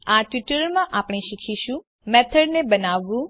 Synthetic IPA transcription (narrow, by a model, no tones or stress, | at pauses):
aʈʋɪʈəɾmãʔapɽ̃eʃikʰiʃũ | mɛt̪ʰəɽnebənaʋːũ